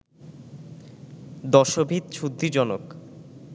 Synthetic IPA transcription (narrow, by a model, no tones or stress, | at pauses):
d̪ɔʃobʱid̪t͡ɕʰud̪ʱːid͡ʑɔnok